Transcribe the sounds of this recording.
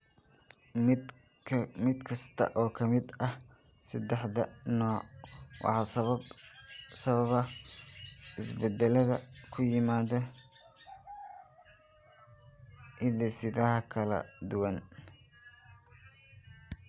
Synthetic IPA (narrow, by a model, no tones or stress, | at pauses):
mɪd̪kʰɐst̪ʰɐ̰ʔɔːkʰɐmɪd̪ɐh | sɐd̪ɛħðɐnɔːwʔɑ̰ħɑsɐɐb | sɐβɐβɐ | ɪsbɛd̪ɛlɐðɐkʰʊjɪmaːðɐ | ʔɪðɛsɪðɐɦɐkʰɐlɐ̰d̪ʊwɐn